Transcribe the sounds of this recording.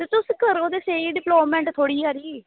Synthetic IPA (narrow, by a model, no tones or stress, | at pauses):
t̪et̪ʊskəɾoːd̪eːseːiːɖɪploːmɛ̃ːɳʈt̪ʰoːɽiːɦaːɾiː